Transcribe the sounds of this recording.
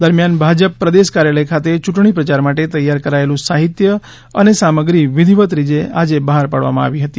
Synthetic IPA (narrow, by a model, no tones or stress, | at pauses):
d̪əɾmjanbʱad͡ʒəpːɾəd̪eʃkaɾjaləjkʰat̪et͡ʃuʈɳ̃ipɾət͡ʃaɾmaʈet̪əjːaɾkəɾaelũsaɦit̪jə | ənesaməɡɾiʋɪd̪ʱiʋət̪ɾid͡ʒeʔad͡ʒebəɦaɾpaɽʋa̰mãa̰ʋiɦət̪i